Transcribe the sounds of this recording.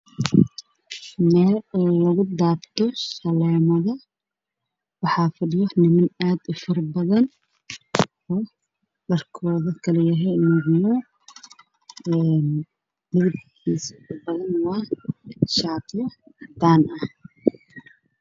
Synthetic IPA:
mɛːlɛːlɐɣʊd̪aːbt̪ʰɔʃɐlɛːmɐðɐ | wɑħɑːfɐɖɪjɔnɪmɪnaːd̪ʊfɐrbɐðɐn | ɔː | ɖɐrkʰɔːðɐkʰɐlɐjɐɦɛjmʊɡnɔ | ɛn | dɪɡɪd̪kʰiːsfʊrbɐðɐnwɑː | ʃaːt̪ʰɪjɐd̪aːnʔɐh

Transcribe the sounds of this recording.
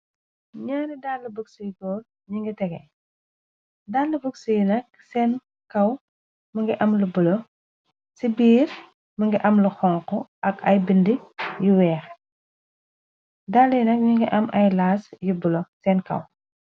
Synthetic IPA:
ɲaːnidaːlːɐbəksujkɔː | ɲiŋɡɐtɛɡɛ | dalːɐbəksujinɐk̚ | sɛːn | kɐw | mɐŋɡɐʔɐmlubulɔ | sibiːɾ | mɐŋɡɐʔɐmlɐxɔŋqɔʔɐkʰɐ̰jbindijuwɛːχ | daːlːɐjnɐk̚ɲiŋɡɐʔɐmɐjlaːsjubulosɛːnkɐ̰w

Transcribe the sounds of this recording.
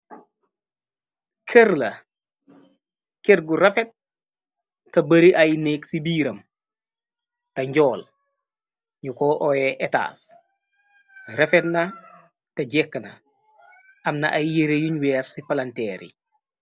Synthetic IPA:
kʰeɾlɐ | kɛt̚ɡuɾɐfɛt̚ | ɐbɐɾiʔɐjnɛːksibiːɾɐm | tɐɲɟɔːl | ɲukɔːʔɔːjɛʔɛta̰ːs | rɐfɛtnɐ | tɐɟɛkːɐnɐ̰ | ʔɐmnɐ̰ʔɐjːeɾejuɲwɛːfsipɐlɐntɛːɾḭ

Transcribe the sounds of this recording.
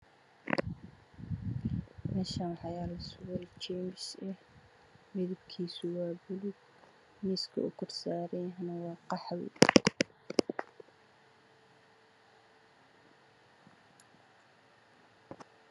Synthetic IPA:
mɛːʃaːnħɑjaːlɐsʊɣʊɾɛt͡ʃɛjmɪʃɛh | mɪðʊbkʰiːsʊwɑːbʊlʊɡ | miːskʰɐ̰ʊkʰɔrsaːɾɛjɦɐnɐwɑːqɑħwɪ̰

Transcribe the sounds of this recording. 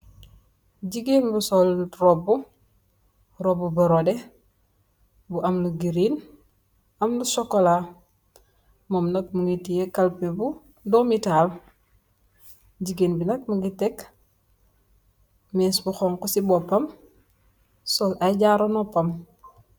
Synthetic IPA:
ɟiɡeːnbusɔlrɔbːu | rɔbːubɐɾodɛ | buʔɐmluɡiɾin | ɐmlusɔkːɔla | mɔmnɐk̚muŋɡitijekalpebu | domitaːl | ɟiɡeːnbinɐk̚muŋɡitɛk | mɛsbuxɔŋkɔsibɔpɐm | sɔlʔajɟaːɾonɔpɐm

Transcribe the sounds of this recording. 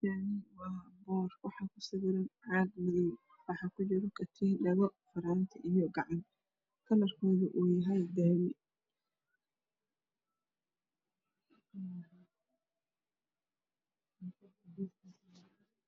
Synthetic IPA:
jaʕnɪwɑːbɔːrwɑħɑkʰʊsɪɣɪɾɪnʕɑɡmɪðɪj | wɑħɑkʰʊt͡ʃɪɾɔkʰɐt̪ʰiːɖɐɣɔfɐɾaːnt̪ʰɐʔijɔɡɑʕɑn | kʰɐlɐrkʰɔːðʊʔuːjɐɦɛjb̪ɛːwɪ

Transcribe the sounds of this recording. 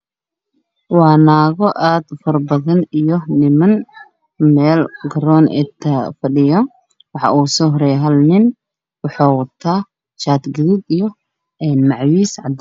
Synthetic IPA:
wɑːnaːɣɔʔaːd̪fɐrbɐðɐnijɔnɪmɐn | mɛːlɡɐɾɔːnʔɛ̰t̪ʰɐfɐɖɪjɔ | wɑħɑ̰ʔuːsɔɦɾɛːɦɐlnɪn | wɑħɑːwɐt̪ʰaː | ʃaːt̪ɡɪɾɪd̪ijɔ | ɛːnmɑʕwiːsʕɑ̰d̪

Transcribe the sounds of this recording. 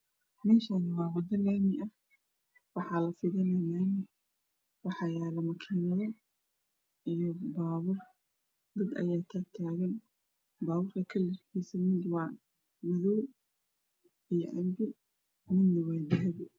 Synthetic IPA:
mɛːʃaːnɪwɑːwɐd̪ɐlaːmɪʔɐ | wɑħɑːlɐfɪðɐnɐnaːnɪ | wɑħɑjaːlɐmɐkʰiːnɐðɔ | ijɔbaːwʊr | d̪ɐd̪ɐ̰jaːt̪ʰaːt̪ʰaːɣɐn | baːwʊrt̪ʰɐkʰɐlɪrkʰiːsɐmɪd̪wɑ | mɐðuː | ijɔʔɐmbɪ | mɪnːɐwɛːd̪ɐɦɛbɪ

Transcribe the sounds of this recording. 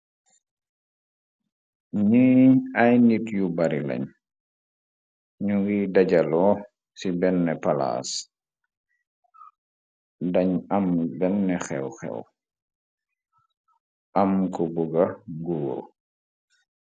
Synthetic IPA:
ɲiajnitjubaɾila̰ɲ | ɲuɡidaɟalɔː | sibɛnːɛpala̰ːs | daɲambɛnːɛxɛwxɛ̰w | ʔamkɔbuɡaɡuːɾ

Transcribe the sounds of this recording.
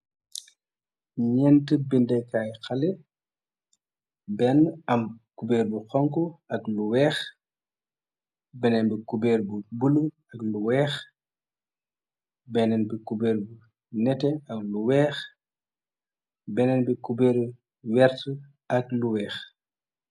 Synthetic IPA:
ɲɛntəbindɛkajxɐlɛ | bɛnɐmkubɛːɾbuxɔŋkuɐkluwɛːx | bɛnɛmbikubɛːrbubulu | ɐkluwɛːx | bɛnɛnbikubɛːɾbu | nɛtɛɐkluwɛːx | bɛnɛnbikubɛːɾ | wɛrtə | ɐk̚luwɛːx

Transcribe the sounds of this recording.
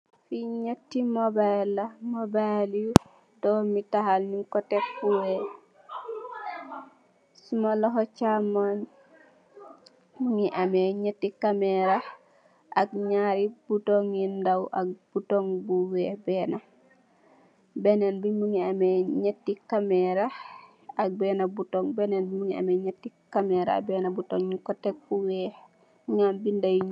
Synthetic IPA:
fiɲotːimɔbajlːamɔbalju | dɔmitaɦalniŋkɔtɛkpːuwɛ | sumalɔɦɔt͡ʃaman | muŋiʔamɛɲetːikamɛɾa | ʔakɲaɾib̥utoŋindawʔa̰k̚b̥utoŋbuwɛːbɛːna | benenbimuŋiameɲetːikamɛɾa | ak̚bɛːnabutoŋbɛnenbimuŋia̰meɲetːikamɛːɾa̰a̰bɛːnabutoŋɲukɔtek̚buwɛː | ŋambindaj

